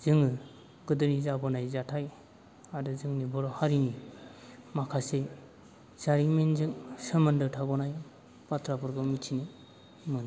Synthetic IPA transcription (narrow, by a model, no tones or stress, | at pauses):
z̥ɯŋɯ | ɡɯdɯnizabɔnajzatʰaj | adɯzɯŋnibɔɾɔhaɾini | makʰase | zaɾiŋmenzɯŋsɯmɯndɯtʰabɔnaj | patʰɾapɯɾɡɯmitʰini | mɯna